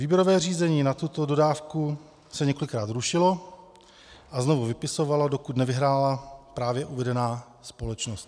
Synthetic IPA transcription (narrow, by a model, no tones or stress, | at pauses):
viːbjɛɾo̞vɛːriːzɛɲiːnat̪ut̪odo̞daːfku | sɛɲɛkolɪkɾaːt̪ɾuʃɪlo̞ | ʔaznovuvɪpɪso̞valado̞kut̪nɛvɪɦɾaːlapɾaːvjɛʔuvɛdɛnaː | spo̞lɛt͡ʃnost̪